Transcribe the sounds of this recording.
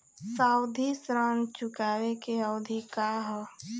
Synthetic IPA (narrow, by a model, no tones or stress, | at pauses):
saːʊd̪ʱisɾaːnt͡ʃʊkaːwekeəʊd̪ʱikaɦɔ